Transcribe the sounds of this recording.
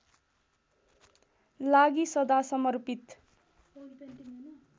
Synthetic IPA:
laɡisʌd̪asʌmʌrpit̪

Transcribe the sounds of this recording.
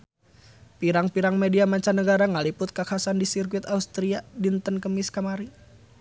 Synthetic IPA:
piɾaŋpiɾaŋmediamaɲt͡ʃanəɡaɾaŋalipʊt̪̚kakʰasandisirkwɪt̪aust̪ɾiadint̪ənkəmiskamaɾi

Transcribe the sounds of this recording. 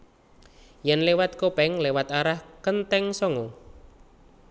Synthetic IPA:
jɛnlewat̪̚kopɛŋlewat̪aɾahkənt̪ɛŋsɔŋo

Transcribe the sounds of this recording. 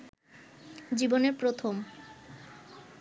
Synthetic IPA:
d͡ʑiboneɾpɾot̪ʰom

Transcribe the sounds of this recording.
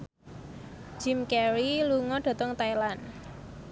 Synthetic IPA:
d͡ʒ̥i̤mkɛɾiluŋɔɖ̥a̤t̪ɔŋt̪ajlan

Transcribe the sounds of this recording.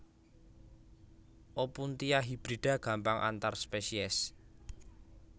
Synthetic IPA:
ʔopunt̪ijaɦib̥ɾid̥a̤ɡ̥a̤mpaŋʔa̰nt̪arspesiɛs

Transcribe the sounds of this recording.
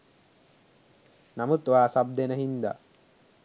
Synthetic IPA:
namut̪ʋaːsab̚d̪enəɦind̪a̰

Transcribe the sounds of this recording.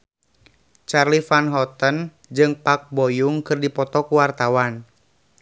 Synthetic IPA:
t͡ʃarlifanɦɔt̪ən | d͡ʒɨŋpak̚bɔjuŋkɨrdipɔt̪ɔkuwart̪awan

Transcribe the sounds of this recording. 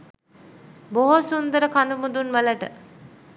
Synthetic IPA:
boɦosund̪əɾəkand̪umud̪unʋələʈə̰

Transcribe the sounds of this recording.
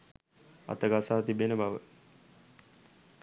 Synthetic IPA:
a̰t̪əɡasaːt̪ibenəbaʋə̰

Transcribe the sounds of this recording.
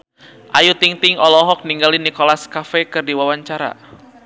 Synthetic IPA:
ʔajut̪iŋt̪ɪŋɔlɔɦɔk̚niŋɡalinikɔlaskafɛkɨrdiwawaɲt͡ʃaɾa̰

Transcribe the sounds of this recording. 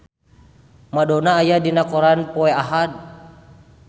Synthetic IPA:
madɔnaːjadinakɔɾanpɔɛaɦad̪̚

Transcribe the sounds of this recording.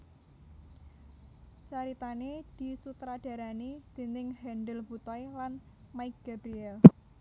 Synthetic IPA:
t͡ʃaɾit̪aned̪̥i̤sut̪ɾad̥ä̤ɾanid̪̥e̤nɪŋhɛnɖəlbut̪ɔjlan | maɪk̚ɡ̥a̤bɾiɛl

